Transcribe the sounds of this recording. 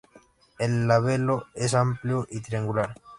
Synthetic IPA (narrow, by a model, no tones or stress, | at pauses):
elːaβeloesampljoʔit̪ɾiaŋɡulaɾ